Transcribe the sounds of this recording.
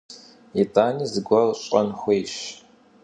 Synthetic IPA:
etʰʼaːniːzɨɡʷɐrɕʼɐnxʷejɕ

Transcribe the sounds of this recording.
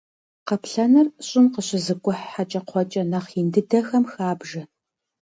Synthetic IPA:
qəpʰɬɐnɐrɕʼɪnqəɕɪzɨkʷʼʊħːat͡ʃʼɐqʷʰɔt͡ʃʼɐnɐχindɨdɐxɐmxaːbʒɐ

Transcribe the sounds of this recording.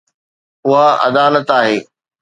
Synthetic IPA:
ʊɦaɐ̰d̪aːlət̪aːɦeː

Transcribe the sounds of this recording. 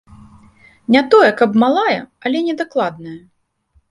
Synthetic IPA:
nʲat̪ɔjɛkɐbmalˠajɐɐlʲɛnʲɛd̪aklˠad̪̚nɐjɐ

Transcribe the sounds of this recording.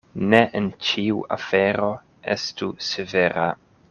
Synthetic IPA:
neʔent͡ʃiua̰feɾo̞ | ḛstuseveɾa̰

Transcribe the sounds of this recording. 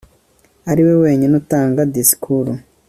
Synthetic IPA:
aɾiwe̞we̞ːɲenutaːŋɡadisi̥kʰuɾo

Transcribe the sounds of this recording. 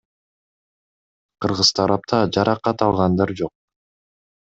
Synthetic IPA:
qʰɯɾʁɯz̥t̪ʰɑɾɑp̚t̪ʰɑd͡ʒɑɾʔɑqːɑt̪ɑlˠʁɑnd̪ɑɾd͡ʒo̞q̚

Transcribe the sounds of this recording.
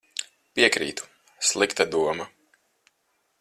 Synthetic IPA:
piɛkɾḭːt̪u̥ | slˠikt̪ad̪uɔma

